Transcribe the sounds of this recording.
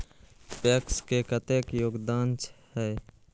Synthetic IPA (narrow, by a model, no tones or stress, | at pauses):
pekskekət̪eːkjoːɡd̪aːnt͡ʃhɛː